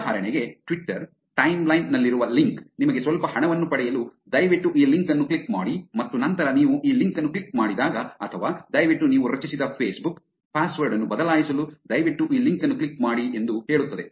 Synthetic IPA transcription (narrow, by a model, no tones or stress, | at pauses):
ɦaːɾɐɳeɡe̞ʈʋiʈːɐɾ | ʈɐjmlɐjnːɐlːiɾuʋɐliŋknimɐɡesʋɐlpɐhɐɳɐʋɐnːupɐɽɛjɐlud̪ɐjʋiʈːuʔiːliŋkɐnːuklikmaːɽimɐt̪ːunɐnt̪ɐɾɐniːʋuʔiːliŋkɐnːuklikmaːɽid̪aːɡɐɐt̪ʰɐʋaːd̪ɐjʋiʈːuniːʋuɾɐt͡ʃisid̪ɐpʰeːsbuk | pʰaːsʋɐɾɖɐnːubɐd̪ɐlaːjisɐlud̪ɐjʋiʈːuʔiːliŋkɐnːuklikmaːɽiʔe̞nd̪uhe̞ːɭut̪ːɐd̪e̞